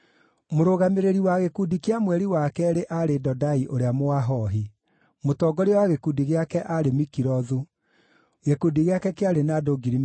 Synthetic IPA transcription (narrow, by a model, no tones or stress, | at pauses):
moɾoɣameɾeɾiwaɣekudikeamwɛɾiwakɛɾeʔaɾedɔdaiʔoɾeamoaɦɔɦi | motɔɡɔɾeɔwaɣekudiɣeakɛʔaɾemikiɾɔðu | ɣekudiɣeakɛkeaɾenadoɡiɾim